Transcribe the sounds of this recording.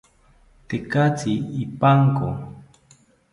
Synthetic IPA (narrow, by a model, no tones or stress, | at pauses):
t̪ekat͡siːpaŋko̰